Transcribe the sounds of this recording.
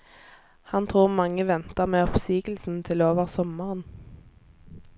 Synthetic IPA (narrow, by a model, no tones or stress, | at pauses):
hɑnt̪ʰʁuːʁmɑŋəʋɛnt̪əʁmeːɔpsiːɡl̩sn̩t̪ʰɪloːʋəʁsɔməʁən